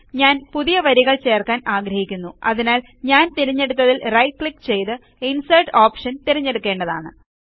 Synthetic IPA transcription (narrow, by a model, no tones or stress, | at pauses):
ɲaːnpuðijɐʋɐɾiɣɐɭt͡ɕe̞ːrkaːnaːɡɾɐhikʲːunːuɐ̰ðinaːl | ɲaːnt̪iɾiɲːe̞ɽut̪̬ːɐðilrɐjkɭikːt͡ɕe̞jt̪ɨ | insɐrʈoːpʂɐnt̪iɾiɲːe̞ɽukːe̞ːɳɖɐðaːɳɨ